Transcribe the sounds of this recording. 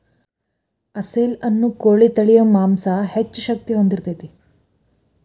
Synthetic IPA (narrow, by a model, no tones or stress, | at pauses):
ɐseːlɐnːukoːɭit̪ɐɭijɐmaːmsɐhet͡ʃːuʃɐk̚t̪iɦond̪iɾt̪et̪e